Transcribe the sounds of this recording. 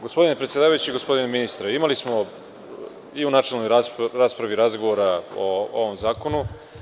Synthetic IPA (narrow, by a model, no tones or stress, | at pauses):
ɡo̞spo̞d̪inepɾet̪ʲed̪aːʋajut͡ɕiɡo̞spo̞d̪ineminist̪ɾaimalismo̞ | iunat͡ʃelnojɾaɾaːspɾaʋiɾazɡoʋoɾao̰o̰ʋo̞mzaːko̞nu